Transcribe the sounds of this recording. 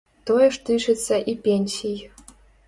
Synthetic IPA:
t̪ojə̆ʂt̪ɨʂɨtt͡sːɐʔipʲenʲsʲij

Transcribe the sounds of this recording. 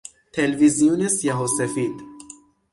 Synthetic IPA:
t̪ʰelviziunesjaɦosefid̪

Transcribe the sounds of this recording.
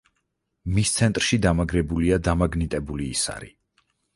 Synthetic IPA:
mist̪sʰɛnt̪ʼɾʃid̪amaɡɾɛbuliad̪amaɡnit̪ʼɛbuliːsa̰ɾḭ

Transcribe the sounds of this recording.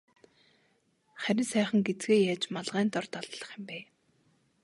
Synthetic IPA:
χæɾʲɪ̆nsæːχə̆ŋɡet͡sɡeːjaːt͡ɕmaɮʁæːnt̪ɔrt̪ɔɮɞ̆ɮə̆χɪ̆mpæː

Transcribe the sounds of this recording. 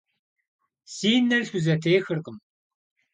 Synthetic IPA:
siːnːɐrɬʷuzɐtʰeːxɨrqəm

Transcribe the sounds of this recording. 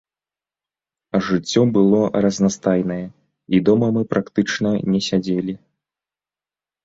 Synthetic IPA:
ɐʐɨt͡sʲːɔbɨlˠɔrɐznast̪ajnɐjɛ | id̪ɔmɐmɨpɾakt̪ɨt͡ʂnɐnʲɛsʲad͡zʲelʲi

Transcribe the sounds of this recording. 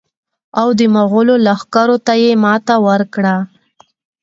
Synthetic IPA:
awd̪əmaɣʊlolaxkaɾot̪ajemɑt̪awəɾkɽa

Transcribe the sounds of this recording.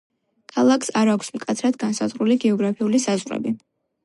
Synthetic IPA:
kʰalˠakʰsaɾakʷʰsmkʼat̪sʰɾad̪ɡansazʁɾuliɡɛɔɡɾapʰiulisazʁɾɛ̰bi

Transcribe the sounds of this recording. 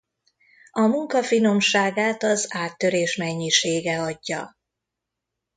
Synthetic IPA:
ɒmuŋkɒfino̞mʃaːɡaːt̪ɒzaːt̪ːø̞ɾeːʃmɛɲːiʃeːɡɛɒɟːɒ̰

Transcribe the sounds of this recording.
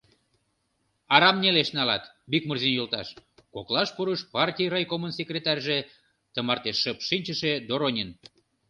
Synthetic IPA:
ɑɾɑmneleʃnɑlɑt̪ | bikmərzinjolt̪ɑ̰ʃkoklɑʃpuɾəʃpɑrtʲijrɑjkomənsʲekrʲet̪ɑrʲʒe | t̪əmɑrt̪eʃːəpʃinʲt͡ɕəʃed̪oɾonʲin

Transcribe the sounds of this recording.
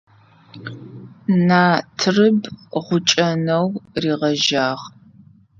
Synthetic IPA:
naːtʰɨrɨbʁʷʊt͡ʃʼɐnɐwriːʁɐʒaːʁ

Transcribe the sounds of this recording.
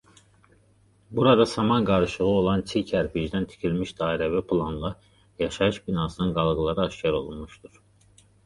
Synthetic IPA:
buɾɑd̪ɑsɑmɑnɡɑɾɯʃɯlɯo̞lˠɑnt͡ʃʰicʰæɾpid͡ʒd̪ænt̪ʰi̥cʰilmiʃd̪ɑːiɾævæpʰlˠɑnlˠɑ | jɑʃɑɯʃbinɑːsɯnɯnɡɑlˠɡɯlˠɑɾɯɑʃcɑɾo̞̰lˠunmuʃd̪uɾ̥

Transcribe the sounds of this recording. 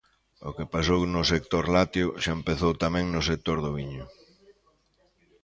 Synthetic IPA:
o̰kepasownʊsek̚t̪oɾlat̪jʊʃaempeθowt̪amɛ̃ŋnʊsek̚t̪oɾðʊβiɲʊ

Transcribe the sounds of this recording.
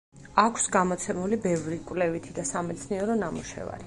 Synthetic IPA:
akʰsɡamɔt̪sʰɛmulibɛvɾikʼwlɛvit̪ʰid̪asamɛt̪sʰniɛɾɔnamuʃɛ̰va̰ɾi

